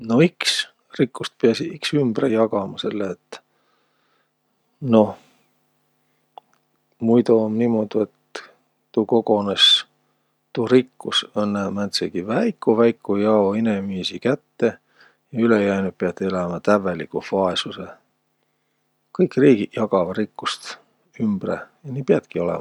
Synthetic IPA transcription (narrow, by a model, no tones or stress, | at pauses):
no̞iks | rikːust̪̚peɑsiiksymb̥rejɑɡ̥ɑmɑse̞lːeːt̪ː | no̞h | mujt̪omnimod̪̥ue̞t̪ː | uko̞ɡo̞nes | t̪uɾikːusonːemænt̪seɡ̥ivæjkːuvæjkːujɑoine̞miːsikæt̪ːe̞ | jɑylejæjnut̪̚piɑt̪ːˑelæmɑt̪ævelikːufɑesuse | kɤjkriːɡ̥ijɑɡ̥ɑvɑɾikːust̪ | ymb̥rḛjɑniːpiɑd̪̥kio̞lɛ̰mɑ